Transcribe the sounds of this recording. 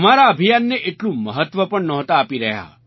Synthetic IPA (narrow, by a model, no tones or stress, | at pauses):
maɾaəbʱijanːeʔeʈlũməɦət̪ʋəpəɳnɔɦt̪aːpiɾəɦja̰